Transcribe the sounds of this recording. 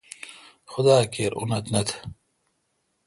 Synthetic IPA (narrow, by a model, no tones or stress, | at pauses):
xʊd̪aːkeːɾʔṵnɐt̪nɐt̪ʰ